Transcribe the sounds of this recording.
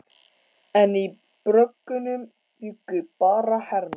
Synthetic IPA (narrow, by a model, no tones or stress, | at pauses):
ɛni | pɾœkːʏnʏm | jʏɡːʏpɑːɾɑħɛɾm